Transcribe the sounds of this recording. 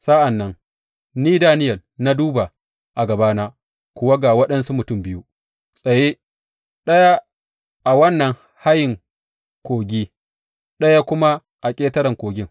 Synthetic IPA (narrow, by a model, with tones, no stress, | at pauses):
sa˦ʔa˨nːɐ˦ŋ | niː˦daː˦nɪ˦jɐ˨na˦duː˦ba˨ | ʔa˨ɡɐ˨baː˦naː˦ | kʷʊ˨wa˦ɡa˨wɐ˦ɗɐ˦nsu˦mʊ˨tʊ˦mbɪ˦ju˦ | sʼɐ˨je˦ | ɗɐ˦ja˦ | ʔa˨wɐ˦nːɐ˨ŋ | ha˦jɪ˨ŋ | kʷoː˨ɡʲiː˦ | ɗɐ˦ja˦kʷʊ˦ma˦ | ʔa˨kʲʼeː˦tɐ˦ɾɐ˨ŋkʷoː˨ɡʲɪ˦ŋ